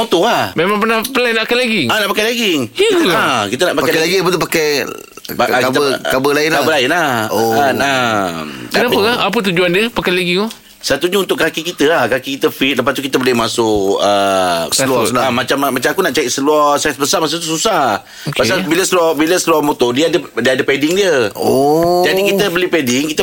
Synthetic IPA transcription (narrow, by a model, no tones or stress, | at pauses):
mõt̪oahmemãŋpənahpəlajnaʔkajlaɡiŋanaʔpakajlaɡiŋəəlakit̪ənaʔpapkajalaɡiapət̪up̬akaj | pakab̪əkabəlaɪnabəlaɪnlaoana | kənapəkaap̬ət̪̬ud͡ʒuandiəpakajlaɡiŋo | sat̪uɲaunt̪ʊʔkakikit̪əlahkakikit̪əfit̪̚ləp̬ast̪ukit̪əbolɪhmasʊkəsəluɔsamat͡ʃammat͡ʃamakunaʔt͡ʃaiʔsəluɔsasbəsamasut̪ususa | pasabiləsəlɔbiləsəluɔmot̪ɔdiədədiəadəpedɪŋdiə | d͡ʒadikik̪əbəlipedɪŋkit̪ə